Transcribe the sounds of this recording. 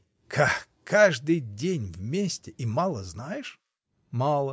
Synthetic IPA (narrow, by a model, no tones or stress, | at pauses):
kʰa | kʰːaʐd̪ɨjdʲenʲvmʲesʲtʲɪʔimalˠəznajɪʂ | malˠə